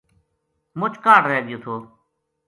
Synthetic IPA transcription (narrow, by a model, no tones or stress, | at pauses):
mʊt͡ʃʰkaːɽɾeeːɡɪjoːt̪ʰoː